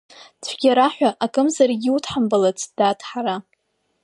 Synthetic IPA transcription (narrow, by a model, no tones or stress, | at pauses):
t͡sʷʰɡʲaɾaħʷᶣaʔakʼɨmzarɡʲiutʰħambalat͡sʰʼd̥atʰʼħara